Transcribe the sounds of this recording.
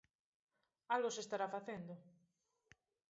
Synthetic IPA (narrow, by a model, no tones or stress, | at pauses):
alɣosest̪aɾafaθend̪ʊ